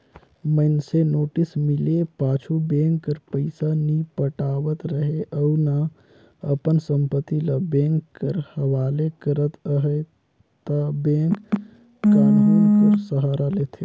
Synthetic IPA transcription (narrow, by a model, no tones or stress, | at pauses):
mənsenoːʈɪsmɪlepaːt͡ʃʰubẽːŋkːəɾpəɪsanipəʈaːwət̪ɾəɦeʔəːna | əpənsə̃mpət̪ilɐbɛ̃ːŋkːəɾhəwaːlekəɾət̪əɦə | t̪abẽːŋkː | aːnuɔːɾsəɦaːɾaleːt̪ʰe